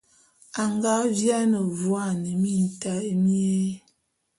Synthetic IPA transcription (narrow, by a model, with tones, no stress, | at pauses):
a˨ŋɡa˦vja˦nə˨vwa˦˨nə˨mi˦˨n˨ta˨˦mi˦e˦